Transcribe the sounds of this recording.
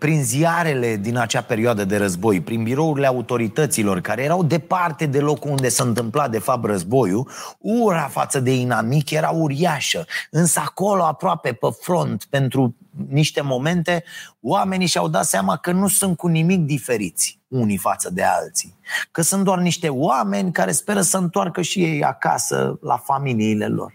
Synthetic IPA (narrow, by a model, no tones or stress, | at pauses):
pɾinziaɾe̞le̞d̪inat͡ʃape̞ɾioad̪əd̪e̞ɾəzbo̞jpɾinbiɾo̞uɾile̞aut̪o̞ɾit̪ət̪silo̞rkaɾe̞jeɾawd̪e̞part̪e̞d̪e̞lo̞kuund̪e̞saɨnt̪ɨmplad̪e̞fap̚t̪rəzbo̞juuɾafa̰t̪səd̪e̞inamikje̞ɾauɾiaʃəɨnsəako̞lo̞apɾoape̞pəfɾo̞nt̪pe̞nt̪ɾuniʃt̪e̞mo̞me̞nt̪e̞wame̞niʃiawd̪at̪seamakənusunt̪̚kunimik̚d̪ife̞ɾit̪sʲ | unifat̪səd̪e̞a̰lt̪si̥kəsunt̪̚d̪owarniʃt̪e̞wame̞nʲkaɾe̞spe̞ɾəsəɨnt̪oarkəʃije̞ja̰ka̰sə̰la̰familiːle̞̰lo̰r